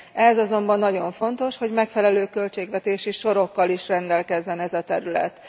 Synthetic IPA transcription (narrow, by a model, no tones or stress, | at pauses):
ɛzɒzo̞mbɒnːɒɟo̞ɱfo̞nt̪o̞ʃho̞ɟmɛkfɛlɛløːkø̞lt͡ʃeːɡʋɛt̪eːʃiʃo̞ɾo̞kːɒliʃrɛnd̪ɛlkɛzːɛnɛzɒt̪ɛɾylɛ̰t̪